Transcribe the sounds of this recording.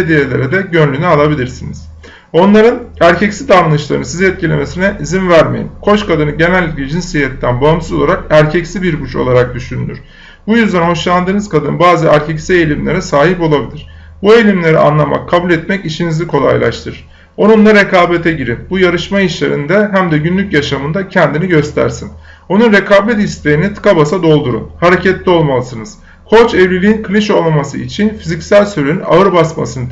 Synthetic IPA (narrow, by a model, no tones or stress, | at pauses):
ed̪ijelʲeɾɛd̪ɛɟø̞nlʲynyalˠabilʲiɾsiniz̥ | o̞nlˠaɾɯnæɾcʰɛcsid̪anɯnɯʃlˠaɾɯnɯsiziɛt̪̚cʰilʲe̞me̞sinɛʔizinvæɾmḛjḭmkʰo̞t͡ʃkʰad̪ɯnɯɟe̞nælʲːiclʲɛd͡ʒinsijɛt̪ːænbansuzolˠaɾakæɾcʰɛcsibiɾbut͡ʃo̞̰lˠaɾak̚d̪yʃynd̪y̰ɾ̥ | bujyzd̪ænho̞ʃlˠand̪ɯːnɯzkad̪ɯnbaːzɯæɾcʰɛcsiejlʲimlʲeɾɛsaːɦipo̞lˠabilʲiɾ̥ | buelʲimlʲe̞ɾḭa̰nlˠama̰kʰːabulʲɛt̪mɛciʃinizikʰo̞lˠa̰jlˠa̰ʃt̪ʰɯɾɯɾ̥ | o̞nunlˠaɾekʰaːbet̪ʰɛɟiɾinbujaɾɯʃmajiʃlʲḛɾḭnd̪ɛɦæmd̪ɛɟynlʲycjaʃamɯnd̪acʰɛnd̪iniɟø̞st̪ʰæ̰ɾsin | o̞nunɾekʰaːbɛt̪̬ist̪ʰejinit̪ʰɯ̥kabasad̪o̞lˠd̪uɾṵnhaɾe̞cʰɛt̪lʲio̞lˠmalˠɯsɯnɯz̥ | kʰo̞t͡ʃɛvlʲilʲiinkʰɯlʲiʃo̞lˠmamasɯit͡ʃʰinfizicsælʲsøɾynyna̰ɯɾbasma̰sɯn